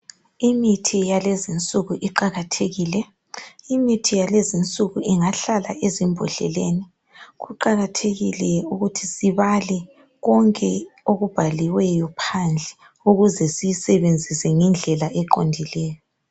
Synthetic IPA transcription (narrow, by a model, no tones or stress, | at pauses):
imitʰijalezint͡sʼuɣuʔiǃaɣatʰeɣiːlɛ | imitʰijalezint͡sʼuɣuʔiŋaɬala̰ʔezimbʱɔɬɛ̰leːni | ɣuǃaɣatʰeɣilɛuɣutʰisiβalɛ | ɣɔŋkʼɛoɣub̥ʱaliwɛjɔpʰand͡ɮʱɛ | uɣuzɛsijisɛβend͡zʱisɛŋɛnd͡ɮʱɛlaʔɛǃondʱilɛːjɔ